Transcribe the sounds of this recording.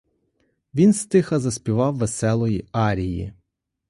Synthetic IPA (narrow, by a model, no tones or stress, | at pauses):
ʋʲinst̪ɪxɐzɐspʲiʋɑwʋesɛlˠɔjiɑɾʲijḭ